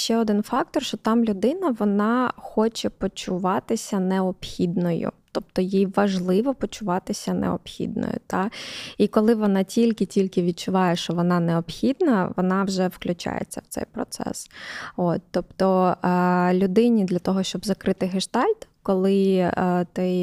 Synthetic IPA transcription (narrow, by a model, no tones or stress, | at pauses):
ʃt͡ʃɛɔd̪ɪnfɑk̚t̪ɔrʃt͡ʃɔt̪ɑmlʲʊd̪ɪnɐʋɔnɑxɔt͡ʃɛpɔt͡ʃʊʋɑt̪ɪsʲɐnɛɔpxʲid̪nɔjʊ̰t̪ɔp̚t̪ɔjijʋɐʒlˠɪʋɔpɔt͡ʃʊʋɑt̪ɪsʲɐnɛ̰ɔ̰pxʲḭd̪̚nɔ̰jʊ̰t̪ɑikɔlˠɪʋɔnɑtʲilʲkɪtʲilʲkɪʋʲid̪̚t͡ʃʊʋɑjɛʃt͡ʃɔʋɔnɑnɛɔpxʲid̪nɐʋɔnɑwʒɛwklʲʉt͡ʃa̰jḛt͡sʲːɐ̰wt̪sɛ̰jpɾɔ̰t̪sɛ̰sot̪t̪ːɔpt̪ɔ | lʲʊd̪ɪnʲid̪lʲɐt̪ɔɦɔʃt͡ʃɔbzɐkɾɪt̪ɪɦɪʃt̪ɑlʲt̪kɔlˠɪ | t̪ɛ